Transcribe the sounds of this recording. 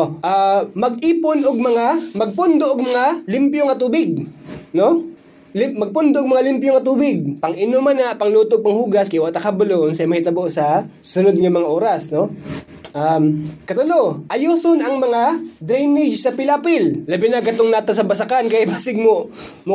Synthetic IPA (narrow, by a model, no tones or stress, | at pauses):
ʔamɐɡ̚ʔiːponʔoɡ̚mɐŋamɐɡ̚pʊnd̪oʔɐɡ̚mɐŋalɪmpjoŋɐt̪uːbɪɡ̚no | lɪmɐɡ̚pʊnd̪oʔɡ̚mɐŋalɪmpjoŋɐt̪uːbɪɡ̚pɐŋʔɪnomanapɐŋluːt̪oɡ̚pɐŋhuːɡɐskɪwaʔt̪ɐkabʊloʔnsɐmɐhɪt̪ɐboʔsɐsʊnod̪̚ŋɐmɐŋaʔoːɾɐsno | ʔamkɐt̪ʊloʔɐjoːsonʔɐŋmɐŋad̪ɾɛjnɪd͡ʒsɐpɪlapɪlːɐbɪnaɡkɐt̪oŋnaːt̪ɐsɐbɐsɐkankɐjbaːsɪɡ̚mo | mʊ